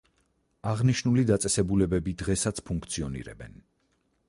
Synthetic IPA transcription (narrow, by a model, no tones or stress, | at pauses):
aʁniʃnulid̪at̪sʼɛsɛbulɛbɛbid̪ʁɛsat̪sʰpʰuŋkʰt̪sʰiɔnḭɾɛ̰bɛn